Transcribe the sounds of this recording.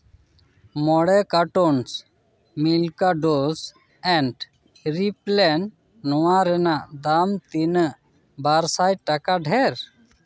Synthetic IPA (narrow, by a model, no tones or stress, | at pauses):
mɔɽɛkaʈons | milkaɖos | ɛ̃ɳʈ | ɾiplɛn | nɔwãɾɛnaʔd̪amt̪inə | baɾsajʈakaɖʱɛɾ